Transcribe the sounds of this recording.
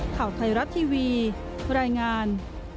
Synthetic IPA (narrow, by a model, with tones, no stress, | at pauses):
kʰaː˨˩wt̪ʰa˧jɾa˦˥t̪ʰːiː˧wiː˧ | ɾaː˧jŋaː˧n